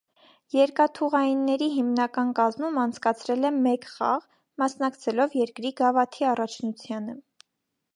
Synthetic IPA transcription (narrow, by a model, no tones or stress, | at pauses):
jɛɾkɑt̪ʰuʁɑjinːɛɾiɦimnɑkɑnkɑzmumɑnt͡sʰkɑt͡sʰɾɛlɛmɛkχɑ̰ʁ | mɑsnɑkt͡sʰɛlɔvjɛɾkɾiɡɑvɑt̪ʰiɑrɑt͡ʃʰnut͡sʰjɑnə